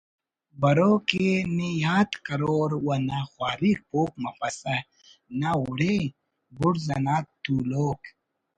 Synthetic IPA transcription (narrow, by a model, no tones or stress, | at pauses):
bɐɾoːkenijaːt̪kɐɾoːɾwɐnaxwaːɾik̚poːk̚mɐfɐsɐ | naʊɽe | bʊɽzɐnaːt̪ːuloːk